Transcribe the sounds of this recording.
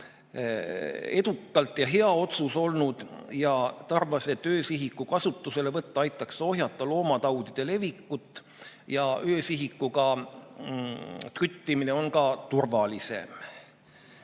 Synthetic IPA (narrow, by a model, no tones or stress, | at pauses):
e̞d̪̥ukˑːɑlt̪ːˑjɑɦe̞ɑo̞t̪suso̞lnud̪̥jɑt̪ɑrvɑse̞t̪ːøːsiɦikːukɑsut̪ˑːuse̞le̞vɤt̪ːɑɑjt̪ˑːɑkso̞ɦjɑt̪ːˑɑlo̞ːmɑt̪ɑwd̪̥id̪̥e̞le̞vikːut̪ːˑ | jɑʔø̞ːsiɦikːuɡɑ | t̪yt̪ːimine̞o̞nkɑt̪urvɑlise̞̰m